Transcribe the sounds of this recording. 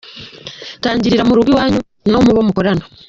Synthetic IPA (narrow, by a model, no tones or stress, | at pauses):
taːɲɟiɾiɾamuɾuɡiwaːɲu | no̞muβo̞ːmukoɾano